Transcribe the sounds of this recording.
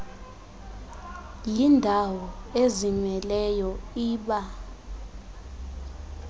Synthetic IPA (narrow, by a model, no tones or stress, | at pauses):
lindʱawɔeziɲwɛlɛjɔiːɓa